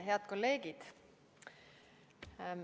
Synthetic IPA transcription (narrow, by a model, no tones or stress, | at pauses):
ɦe̞ɑd̪̚ko̞lːe̞ːɡ̥id̪̥